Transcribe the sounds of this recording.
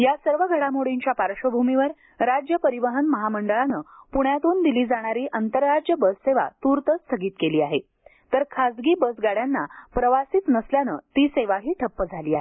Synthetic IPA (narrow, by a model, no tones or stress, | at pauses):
jasəɾʋəɡʱəɽamoɽiɲt͡ɕjapaɾʂəbʱumiʋəɾ | ɾad͡ʑjəpəɾiʋəɦənməɦaməɳɖəɭanəːpuɳjat̪uːnd̪iliːd͡zaɽ̃aɾiːʔənt̪əɾːad͡ʑjəbəsːeʋa̰t̪uɾt̪əst̪ʰəɡiːt̪keliːaɦe | t̪əɾkʰad͡zɡiːbəsɡaɽjanːapɾəʋasiːt̪nəsljanə̰t̪iːseʋaɦiːʈʰəpːəd͡zʱaliːa̰ɦe